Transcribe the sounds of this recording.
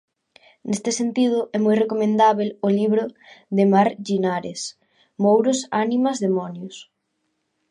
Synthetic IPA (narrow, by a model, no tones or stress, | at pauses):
nest̪ɪsent̪ið̞ʊʔɛmojrekomẽnd̪aβelʊliβɾʊðemaɾʎinaɾes | mowɾʊsanimɐzðemɔnjʊs